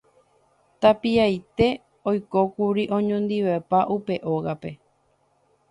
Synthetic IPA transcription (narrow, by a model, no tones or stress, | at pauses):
t̪apiajt̪e̞ | ojko̞kuɾiʔõ̞ɲõnd̪iʋepaʔupe̞ʔo̞ɣape̞